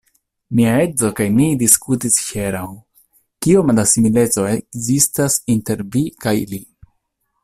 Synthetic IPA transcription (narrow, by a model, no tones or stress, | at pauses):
miae̞zo̞kajmidiskutisçeɾaw | kiomadasimile̞t͡so̞ekzistasinte̞ɾvikajli